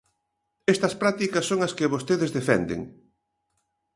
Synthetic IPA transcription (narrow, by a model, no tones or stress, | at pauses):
ɛst̪ɐspɾat̪ikɐsːoŋɐskɪβost̪eðezðefɛ̰nd̪ḛŋ